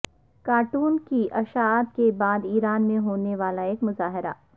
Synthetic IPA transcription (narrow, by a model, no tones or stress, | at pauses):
kaːɾʈuːnkiʔɐʃaːt̪̚kebaːd̪iːɾaːnmẽɦoːneʋaːlaeːkmʊzaːɦɪɾa̰ː